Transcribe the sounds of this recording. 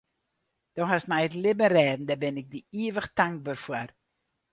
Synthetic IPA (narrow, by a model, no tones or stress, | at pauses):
d̥ɔɦasmɛjətlɪbənrɛːdn̩daːbɛnɪk̚diiəvəχtaŋk̚baːrfuər